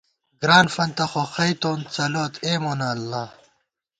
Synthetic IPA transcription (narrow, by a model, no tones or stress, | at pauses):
ɡɾaːnfɐnt̪ɐxoxɐjt̪oːnt͡sɐloːt̪ʰeːmoːnaːlːaː